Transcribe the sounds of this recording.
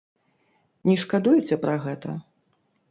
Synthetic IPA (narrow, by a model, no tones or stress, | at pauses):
nʲiʂkad̪ujut͡sʲɛpɾɐɣɛt̪ɐ̰